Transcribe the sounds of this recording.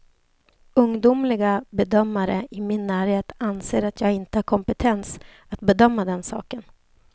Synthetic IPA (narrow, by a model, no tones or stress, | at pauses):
ɵŋd̪umlɪɡabɛd̪œmːaɾə̰ʔɪmɪnːæːɾheːt̪anseːɾat̪ʰjɑːɡɪnt̪əhaɾkʰɔmpət̪ʰɛns | at̪̚bɛd̪œmːad̪ɛnsɑ̰ːkən